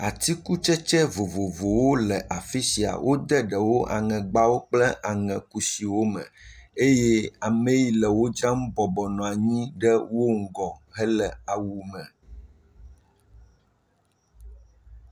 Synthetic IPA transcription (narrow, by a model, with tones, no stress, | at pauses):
a˨t̪i˦ku˦t͡ʃɛ˦t͡ʃɛ˦vo˨vo˨vo˨wo˦lɛ˨ʔa˨fi˦si˨a̰˨wʔo˦d̪ɛ˦ɖɛ˨wo˦ʔa̰˨ŋɛ̃˨ɡ͡ba˦wo˦k͡plɛ˦ʔa˨ŋɛ̃˨ku˦si˨wo˦mɛ̰̃˨e˦jɛ˦a˨mẽ˦ji˨lɛ˨wo˦d͡ʒɾã˦m̩˦bɔ˨bɔ˨nɔ̃˨a˨ɲĩ˦ɖɛ˦wo˦ŋ̩˦ɡɔ˨ɦɛ˦lɛ˨a˨wu˨mɛ̃˨